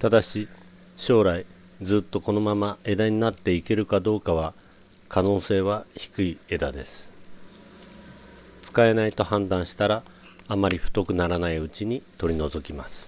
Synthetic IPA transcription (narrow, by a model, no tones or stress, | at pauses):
t̪ad̪aɕi | ɕo̞ːɾai | d͡zɨːt̪ːo̞ko̞no̞mamae̞d̪aɲ̟inat̪ːe̞ike̞ɾɯ̟kad̪o̞ːkaβ̞a | kano̞ːse̞ːβ̞açi̥kɯ̟ie̞d̪ad̪e̞sɨ̥ | t͡sɨ̥kae̞nait̪o̞hãnd̪ãɰ̃ɕi̥t̪aɾaː | maɾʲiɸɯ̟̥t̪o̞kɯ̟naɾanaiɯ̟t͡ɕiɲ̟it̪o̞ɾʲino̞zo̞kʲimasɨ̥